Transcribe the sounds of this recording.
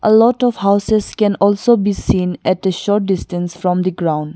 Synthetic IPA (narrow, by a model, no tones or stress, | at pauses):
ʔəlɔʈɔfhaʊseskɛ̃nɔlsobisĩːnɛʈəʃɔɾʈ̚ɖɪsʈə̃nsfɾɔ̃md̪iɡɾãʊ̃nɖ